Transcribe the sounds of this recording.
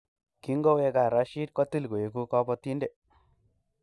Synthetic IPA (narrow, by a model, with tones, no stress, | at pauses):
ki˦ŋɡo˦we˦ka˨ɾa˨˦ʃi˦t̚kɔ˦ti˦lɡo˨e˨ku˦kɔ˦pɔ˦ti˦nde˨